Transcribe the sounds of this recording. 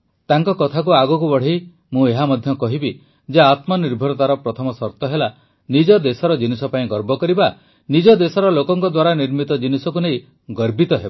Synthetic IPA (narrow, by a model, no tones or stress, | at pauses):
t̪aŋkɔkɔt̪ʰak̬uaɡɔk̬ubɔɽ̤i | mũeɦamɔd̪ʱjɔkɔɦibi | d͡ʒeat̪mɔniɾbʱɔɾɔt̪aɾɔpɾɔt̪ʰɔmɔsɔɾt̪ɔɦela | nid͡ʒɔd̪esɔɾɔd͡ʒinisɔpaĩɡɔɾbɔkɔɾiba | nid͡ʒɔd̪esɔɾɔlokɔŋkɔd̪waɾaniɾmit̪ɔd͡ʒinisɔk̬unej | ɡɔɾbit̪ɔɦeba